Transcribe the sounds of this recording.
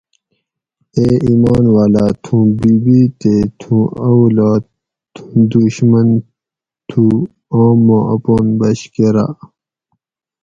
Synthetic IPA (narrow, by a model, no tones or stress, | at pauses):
eːiːmaːnwaːlaːt̪ʰũːbiːbiːt̪et̪ʰũːɐwlaː | t̪ʰũd̪uɕmɐn | t̪ʰuː | õːmːoːʔɐpoːnbɐɕkeɾa̰ː